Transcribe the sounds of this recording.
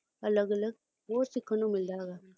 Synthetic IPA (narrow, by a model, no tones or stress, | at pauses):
ɐləɡələɡ̚ | ɦoːɾsikənõmɪld̪aːɡaː